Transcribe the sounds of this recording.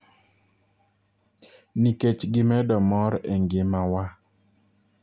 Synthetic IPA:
niket͡ʃɡɪmɛdɔmɔɾɛŋɡɪmawa

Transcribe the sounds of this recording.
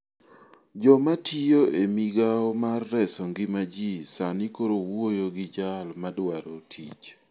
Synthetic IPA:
d͡ʒɔmatʰijoʔemiɡaɔmarːɛsɔŋɡɪmad͡ʒisanikoɾowojoɡɪd͡ʒalmadwaɾotʰḭt͡ʃ

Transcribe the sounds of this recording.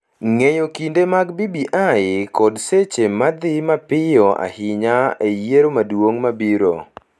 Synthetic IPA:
ŋejokindemaɡbibiʔaɪkɔdset͡ʃemad̪ɪmapɪjɔa̰hɪɲaejeɾomadwoŋmabiɾo̰

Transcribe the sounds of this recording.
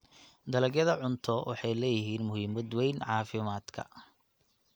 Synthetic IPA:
d̪ɐlɐɡjɐðɐʕʊnt̪ʰɔwʔɑ̰ħɑjlɛːjɪɦiːnmʊhiːmɐd̪wɛjnʕɑːfɪmaːd̪kʰɐ̰

